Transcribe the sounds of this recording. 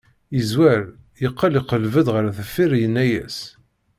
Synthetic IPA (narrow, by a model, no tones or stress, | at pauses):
izwæɾjəqːəliqəlvəðʁəɾθəfːiɾjənːæjæ̰s